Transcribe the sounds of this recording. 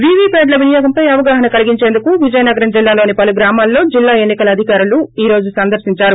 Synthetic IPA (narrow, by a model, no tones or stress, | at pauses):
ʋiːʋiːpeːɖlɐʋinijoːɡɐmpɐjɐʋɐɡaːɦɐnɐkɐliɡiɲt͡ʃeːnd̪ukuʋid͡ʒɐjɐnɐɡɐɾɐnd͡ʒilːaːloːnipɐluɡɾaːmaːlːo̞ːd͡ʒilːaːe̞nːikɐlɐɐd̪ʱikaːɾuluiːɾo̞ːd͡ʒusɐnd̪ɐɾsiɲt͡ʃaːɾu